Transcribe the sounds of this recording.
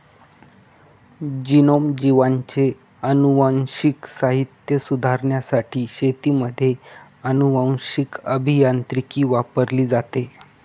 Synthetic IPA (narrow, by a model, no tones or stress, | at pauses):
d͡ʑinomd͡ʑiʋaɲt͡se | ənuʋaw̃ɕiksaɦit̪jəsud̪ʱaɾɳjasaʈʰiːɕet̪iːməd̪ʱːje | ənuʋãw̃ɕikəbʱijant̪ɾikiːʋapəɾliːd͡zat̪e